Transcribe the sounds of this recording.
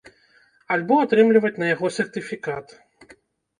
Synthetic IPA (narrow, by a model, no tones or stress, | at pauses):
alʲbɔat̪ɾɨmlʲivɐt͡sʲnɐjaɣɔsʲɛrt̪ɨfʲikat̪